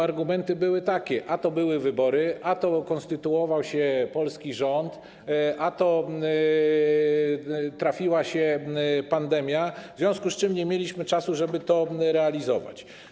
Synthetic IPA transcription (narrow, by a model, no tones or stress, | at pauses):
aɾɡumɛnt̪ɘbɘwɘt̪akʲɛʔat̪ɔbɘwɘvɘbɔɾɘʔat̪ɔkɔ̃nst̪ɘt̪uɔvawɕɛpɔlskʲiʐɔnt̪ | ʔat̪ɔ | t̪ɾafʲiwaɕɛpand̪ɛmʲjavzvʲjɔ̃w̃skust͡ʂɘmɲɛmʲjelʲiɕmɘt͡ʂasuʐɛbɘt̪ɔɾɛalʲizɔva̰t͡ɕ